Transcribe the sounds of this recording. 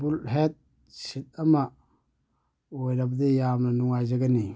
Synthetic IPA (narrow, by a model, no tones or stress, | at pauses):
bulɦet̚ | ʃitama | wadabdijamanuŋad͡ʒaɡani